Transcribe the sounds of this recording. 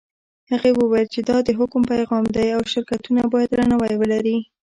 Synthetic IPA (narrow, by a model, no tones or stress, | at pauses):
haɣewəwajəlt͡ʃed̪ɑd̪əɦʊkʊmpajɣɑmd̪ajawʃɪɾkat̪unabɑjad̪ɾanawajwəlaɾi